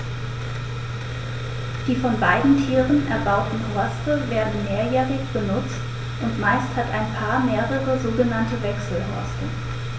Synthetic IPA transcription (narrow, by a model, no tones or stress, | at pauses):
d̥iːfɔnbaɪdn̩tʰiːʁənʔɛɐbaʊtn̩ɦɔɐstəveːɐdn̩meːɐjɛːʁɪçb̥ənʊt͡st | ʔʊntmaɪsthataɪnpʰaːɐmeːʁəʁəzoːɡənantəvɛksl̩ɦɔ̰ɐstə